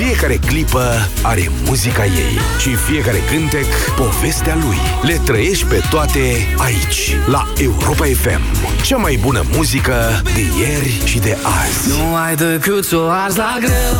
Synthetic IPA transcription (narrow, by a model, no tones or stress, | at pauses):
fije̞kaɾe̞klipə | aɾe̞̰mmuzikaje̞̰j | ʃifije̞kaɾe̞̰kɨnt̪e̞k | po̞ve̞st̪ealuj | le̞t̪ɾəje̞ʃt̪̚ʲpe̞t̪oat̪e̞ | ait͡ʃʲ | la | e̞uɾo̞pae̞fḛm | t͡ʃamajbunə̰muzikə | d̪e̞je̞rʲʃid̪e̞ʔa̰znu | ajd̪ojklut̪soaɾzlaɡɨ